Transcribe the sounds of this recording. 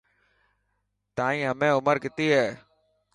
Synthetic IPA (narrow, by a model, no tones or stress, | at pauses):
t̪aːĩːɦəmẽːʊməɾkɪt̪iːɦeː